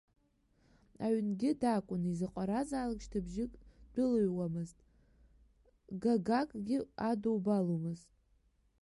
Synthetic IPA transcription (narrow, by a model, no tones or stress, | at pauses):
aɥnɡʲɪdakʷʼʊnizɨqʷʼaɾazaːlakʲʼʃtʰabʒɪkʼd̥ʊlɨɥwamɨztʼ | ɡaɡakʼɡʲɪadowbalomɨztʼ